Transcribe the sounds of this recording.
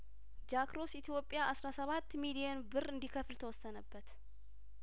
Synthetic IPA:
d͡ʒakɾo̞sit̪ʰijo̞pʼːjaʔasɾasəβat̪ːmilijɛnbɨrɨnd̪ikʰəflt̪ʰəwɔsːənəbːət̪

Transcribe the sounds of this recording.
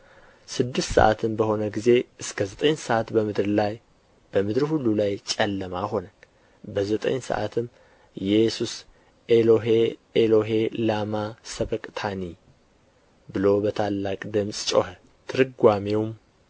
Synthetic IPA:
sɨd̪ːɨst̪sə̰ʔa̰t̪ʰɨnbəho̞nəɡize̞ʔɨskʰəzət̪ʼəɲsəʔat̪bəmɨd̪ɾlaj | b̥əmɨd̪ɾhulːulajt͡ʃʼɛlːəmaho̞nən | bəzət̪ʼə̰ɲsə̰ʔa̰t̪ʰɨm | jɛsus | eloɦeelo̞ɦe̞lamasəβəkʼt̪ʰani | bɨlo̞bət̪ʰalːakʼd̪ɨmsʼt͡ʃʼo̞̰hə | t̪ʰɨɾɨɡʷamewm

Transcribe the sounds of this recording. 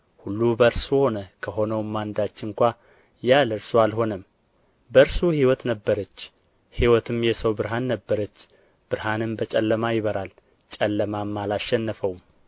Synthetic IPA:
hulːubəɨɾsho̞nəkʰəɦo̞nəwmːand̪at͡ʃːɪŋkʷa | jalɨɾsualho̞nəm | bəɨɾsuhiwɔt̪nəbːəɾət͡ʃː | hiwɔt̪ʰɨmjɛsəwbɨɾɦanːəbːəɾət͡ʃː | b̥ɨɾɦanɨmbət͡ʃʼɛlːəmajɪβəɾal | t͡ʃʼəlːəmamːalaʃɛnːəfəw

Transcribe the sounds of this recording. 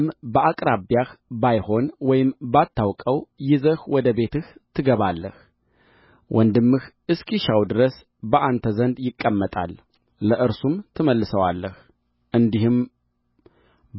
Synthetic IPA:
mbəʔakʼɾabjaxbajho̞nwɔjɪmbat̪ʰːawkʼəwjɪzəhwɔd̪əbe̞t̪ɨht̪ʰɨɡəβalːəh | wʔɔnd̪ɨmːɨxʔɨskʰiʃawd̪ɨɾəs | bəʔant̪ʰəzənd̪jɪkʼːəmːət̪ʼa̰lː | əʔɨɾsumt̪ʰɨməlːɨsəwalːəh | ʔɨnd̪ihɨm

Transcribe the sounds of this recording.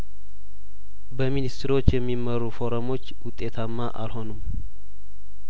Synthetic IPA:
bəminist̪ɾo̞t͡ʃːjɛmːiməɾufo̞ɾomo̞t͡ʃːwʊt̪ʼːe̞t̪ʰamːaʔa̰lho̞num

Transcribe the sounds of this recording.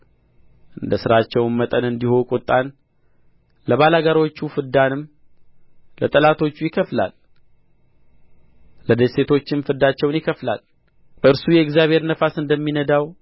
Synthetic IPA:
ʔɨnd̪əsɨɾat͡ʃːɛwnmət̪ʼənɨnd̪ihokʼot̪ʼːan | ləβalaɡaɾo̞t͡ʃːufɨd̪ːanɨm | lət̪ʼəlat̪ʰo̞t͡ʃːujɪkʰəfla̰l | əd̪əse̞t̪ʰo̞t͡ʃːɪmfɨd̪at͡ʃːɛwnjɪkʰəfla̰l | bəɨɾsujɛɪɡzjaβhe̞ɾnəfasɨnd̪əmːinəd̪aw

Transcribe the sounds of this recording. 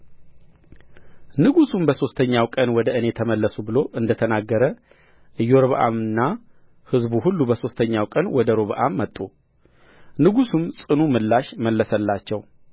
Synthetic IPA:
nɨɡusumbəso̞st̪ʰəɲːawkʼənwɔd̪əɨne̞t̪ʰəməlːəsubɨlo̞ʔɨnd̪ət̪ʰənaɡːəɾə | ʔɨjːoɾoβəʔa̰mɨnːa | hɨzbuhulːubəso̞st̪ʰəɲːawkʼənwɔd̪əɾoβəʔamːət̪ʼːu | nɨɡusumsʼɨnumɨlːaʃməlːəsəlːat͡ʃːɛw

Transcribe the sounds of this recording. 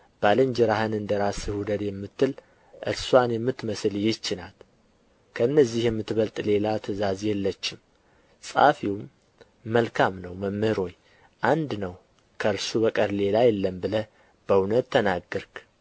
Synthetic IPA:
b̥alɨɲd͡ʒɪɾahɨnɨnd̪əɾasɨhud̪əd̪jɛmːɨt̪ːɨl | ʔɨ̰ɾswanjɛmːɨt̪ːməsɨljɪt͡ʃːɪnal | kʰəɨnːəzːihjɛmːɨt̪ːβəlt̪ʼle̞lat̪ʰəzazjɛlːət͡ʃːɪm | sʼa̰fiwmː | əlkʰamnəwməmːhɨɾo̞j | ʔand̪nəw | kʰəɨɾsubəkʼəɾle̞lajɛlːəmbɨlə | b̥əunət̪ːənaɡːəɾk

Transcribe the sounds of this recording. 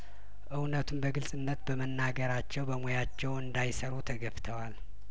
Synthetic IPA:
ʔɨwnət̪ʰumbəɡɨlsʼɨnːət̪bəmənːaɡəɾat͡ʃːɛwbəmojat͡ʃːɛwɨnd̪ajsəɾut̪ʰəɡəft̪ʰəwal

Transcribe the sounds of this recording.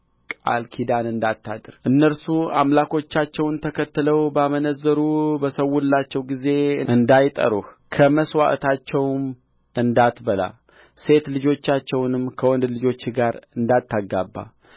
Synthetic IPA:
kʼa̰lkʰid̪anɨnd̪at̪ːad̪ɨɾʔɨnːəɾsua̰mlako̞t͡ʃːat͡ʃːɛwnt̪ʰəkʰət̪ːɨləwbamənəzːəɾubəsəwːulːat͡ʃːɛwɡize̞ɨɨnd̪ajt̪ʼə̰ɾuh | kʰəməswa̰ʔt̪ʰat͡ʃːɛwm | ɨnd̪at̪bəla̰ | se̞t̪lɨd͡ʒo̞t͡ʃːat͡ʃːɛwnɨmkʰəwɔnd̪lɨd͡ʒo̞t͡ʃːɡaɾɨnd̪at̪ʰːaɡːabːa̰

